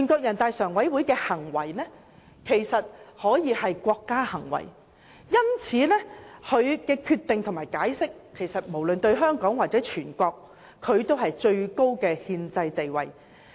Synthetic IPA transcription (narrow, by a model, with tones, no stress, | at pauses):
y˨˩nkʷɔː˧k̚jɐ˨˩nt̪aː˨˧jsœː˨˩ŋwɐ˨˥jwu˨˥jkɛː˧hɐ˨˩ŋwɐ̰˨˩jnɛː˥ | kʰe˨˩jsɐ˨t̚hɔː˨˥jiː˨˧hɐ˨jkʷɔː˧kːaː˥hɐ˨˩ŋwɐ̰˨˩j | jɐ˥mt͡sʰiː˨˥nɛ˥hʰɵ˨˧ɥkɛː˧kʰyː˧t̪ːɪ˨ŋt̪ʰmaː˨˩jkaː˨˥jsɪ˥kkʰːe˨˩jsɐ˨t̚mo˨˩wlɵ˨nt̪ɵ˧ɥɦœː˥ŋkɔː˨˥ŋwaː˨t̚t͡sɛː˨˥t͡ʃʰyː˨˩nkʷɔː˧k̚ʰː | ɵ˨˧ɥt̪o˥wɦɐ˨jt͡ʃɵ˧ɥko˥wkɛː˧hiː˧nt͡sɐ˧jt̪e˨jwɐ̰˨˩j